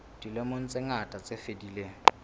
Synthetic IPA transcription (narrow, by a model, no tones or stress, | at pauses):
d̥ilemon̩t͡sʼɪŋatʼat͡sʼefedileːŋ̩